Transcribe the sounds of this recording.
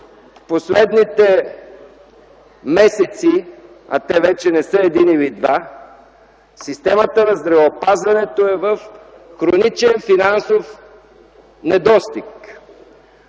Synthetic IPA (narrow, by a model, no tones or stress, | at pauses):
fposlɛd̪nit̪ɛ | mɛsɛt̪si | a̰t̪ɛvɛt͡ʃɛnɛsɤɛd̪inilid̪va | sist̪ɛmət̪ənɐzd̪ɾɛvəopazvɐnɛt̪oɛvəf | xɾonit͡ʃɛnfinansof | nɛd̪ɔst̪ik